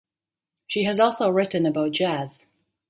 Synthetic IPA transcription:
ʃiɨzɔˑlˠsoʊɹɪʔn̩əbaʊt̚d̥ʒ̥æz̥

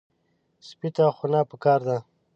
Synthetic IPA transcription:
spit̪axunapəkɑːɾd̪a

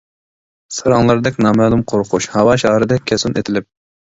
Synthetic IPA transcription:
sɨɾɑŋlˠɑɾd̪ɛkʲnɑmælˠɨmqʰoɾqʰʊʃhɑwɑʃɑhɾɨd̪ɛkʲʰɛsunet̪ʰɪlɪp̚

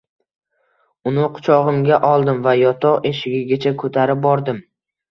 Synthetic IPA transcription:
ʊnɪqʰʊ̥t͡ʃʰɒʁɨmɡʲaʔɒlˠd̪ɪmvajɒt̪ʰɒʁe̞ʃɪɡʲɪɡʲat͡ʃʰakʰɵt̪ʰaɾɪp̚bɒɾd̪ɪm

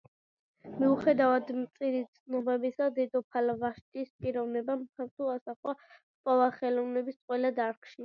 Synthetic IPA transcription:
miuχɛd̪avad̪mt̪sʼiɾit̪sʰnɔbɛbisad̪ɛd̪ɔpʰalvaʃt̪ʼispʼiɾɔvnɛbamtʰaɾt̪ʰuasaχwa | pʼɔvaχɛlɔvnɛbisqʼwɛlad̪aɾkʰʃi

